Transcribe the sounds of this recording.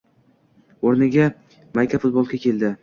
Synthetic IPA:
oɾnɪɡʲa | majkʲʰafʊt̪̚bolˠkʲakʲʰe̞ld̪ɪ

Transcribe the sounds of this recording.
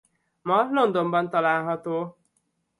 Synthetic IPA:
mɒlo̞nd̪o̞mbɒnt̪ɒlaːlɦɒt̪oː

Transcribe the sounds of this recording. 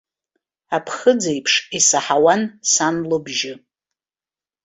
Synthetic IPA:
apʰχəd͡zajpʰʂisaħawansanlɨbʒɪ

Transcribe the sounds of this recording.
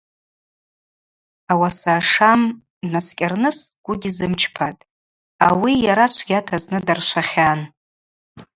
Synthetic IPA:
awasaːʂam | naskʲʼarnɨsɡ̥ʷʊdʲizɨmt͡ʃʰpʰatʼ | awijaɾat͡ʃʷʰɡ̥ʲatʰaznɨdarʃʷaχʲan

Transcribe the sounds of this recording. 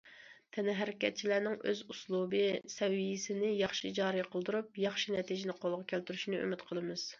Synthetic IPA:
t̪ʰɛnɪɦæɾɪkʲɛt̪̚t͡ʃʰilænɪŋʔøzuslˠubɨsɛwijisɪnɪjɑχʃid͡ʒɑːɾijqʰəlˠd̪uɾup̚jɑχʃinɛt̪ʰid͡ʒɪnɪqʰolˠʁɑkʲʰælt̪yɾyʃnɨø̰mɪt̪qʰəlˠɨmɨz̥

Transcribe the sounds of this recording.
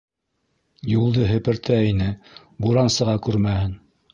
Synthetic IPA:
julˠd̪ɤɦɘ̆pɘ̆ɾt̪ʰæinɘ | buɾɑnsɤ̆ʁɑkʉɾmæhɘn

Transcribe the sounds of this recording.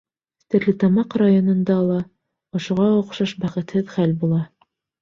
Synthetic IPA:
st̪ɘ̆ɾlɘt̪ɑmɑqrajonŏnd̪ɑːlˠɑ | ŏʃŭʁɑŏqʃɑʃbæχɘ̆t̪hɘðχælbulˠɑ

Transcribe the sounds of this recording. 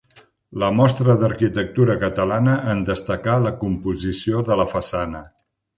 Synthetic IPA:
ləmɔst̪ɾəðəɾkit̪ək̚t̪uɾəkət̪əlanəʔənd̪əst̪əkaləkumpuzisioðələfəsanə

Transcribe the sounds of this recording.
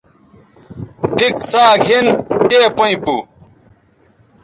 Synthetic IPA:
pʰiksaːɡʱinteːpɐĩpu

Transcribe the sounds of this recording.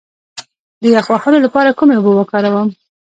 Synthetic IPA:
d̪əjɑxwaxəlolapɑɾakumeobəwəkɑɾawəm

